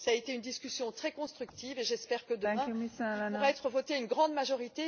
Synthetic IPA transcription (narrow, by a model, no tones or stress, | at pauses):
saet̪eynd̪iskʲysjɔ̃t̪χɛkɔ̃st̪χykt̪iveʒɛspɛʁkəd̪əɛ̃puʁɛt̪χəvɔt̪eaynɡʁɑ̃d̪maʒɔʁit̪e